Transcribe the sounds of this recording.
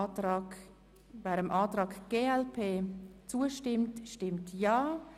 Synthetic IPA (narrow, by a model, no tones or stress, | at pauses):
vɛːɾəmʔɑːtɾɑːɡɡ̥eːɛlpʰeːt͡suːəʃtɪmtʃtɪmtjaː